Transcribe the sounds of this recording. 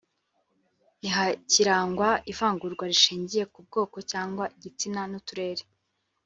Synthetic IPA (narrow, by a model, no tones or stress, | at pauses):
iɦaciɾaːŋɡwaʔivaːŋɡuɾɡwaɾiʃiːɲɟije̞kub̚ɡo̞ːko̞caːŋɡwaʔiɟit͡sinanutuɾe̞ːɾe